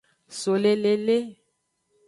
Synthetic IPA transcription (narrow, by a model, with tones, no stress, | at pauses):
so˨le˨le˨le˦